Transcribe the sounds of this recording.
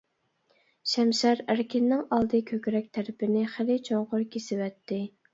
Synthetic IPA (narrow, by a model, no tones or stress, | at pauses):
ʃɛmʃɛɾæɾkʲɪnːɪŋɑlˠd̪ɨkʲʰøkʲɾɛk̚ʲt̪ʰæɾɪpɪnɪχɪlɪt͡ʃʰoŋʁʊɾkʲʰesɪwɛt̪ʰːɪ